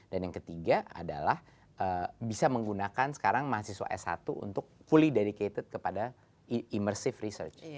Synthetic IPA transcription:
danjaŋkət̪iɡaʔa̰da̰lah | ʔəbisaməŋɡunakansə̥kaɾaŋmaɦasiswa̰ʔɛ̰sa̰t̪uṵnt̪ʊk̚fulideɾiket̪ət̪̚kəpada | imərsɪfrisə̰rt͡ʃ

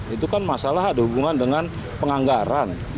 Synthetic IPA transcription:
it̪ukanmasalaɦadahubuŋandəŋan | pəŋaŋɡaɾan

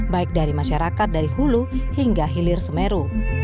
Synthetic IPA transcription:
baɪk̚daɾimaʃaɾakat̪̚daɾiɦuluhiŋɡaɦilɪrsəmeɾu

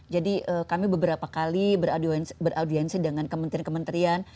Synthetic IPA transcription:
d͡ʒadiʔəːkamibəbəɾapakalibəɾadiɛnsbəɾʔawdiɛnsidəŋankəmə̃nt̪ɾiankəmənt̪ɾian

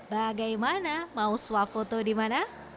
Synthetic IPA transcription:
baɡajmanamausuafot̪odimana

